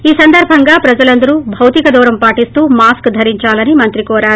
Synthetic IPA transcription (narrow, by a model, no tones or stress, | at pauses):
iːsɐnd̪ɐɾbʱɐŋɡaːpɾɐd͡ʒɐlɐnd̪ɐɾubʱɐwt̪ikɐd̪ɔːɾɐmpaːʈist̪uːmaːskd̪ʱɐɾiɲt͡ʃaːlɐnimɐnt̪ɾikɔːɾaːɾu